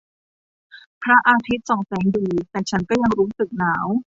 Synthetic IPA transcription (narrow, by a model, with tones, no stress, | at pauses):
pʰɾa˦˥ʔaː˧t̪ʰi˦˥t̪̚sɔ˨˩˦ŋsɛː˩˦ŋdiː˧t̪ɛː˨˩t͡ɕʰa˦˥nkɔː˥˩ja˧ŋɾuː˦˥sɯ˨˩k̚naː˩˦˥w